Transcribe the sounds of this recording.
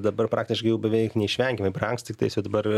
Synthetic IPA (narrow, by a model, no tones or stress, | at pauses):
d̪ɐbɐrpɾɑːktʲɪʃkɐɪjɛʊbʲɛʋʲɛɪknʲɛɪʃʲʋʲɛŋʲkʲɪmɐɪpʲɛɾɐŋkst̪ʲt̪ʲɪkt̪ɐɪsʲjɛd̪ɐbɐɾ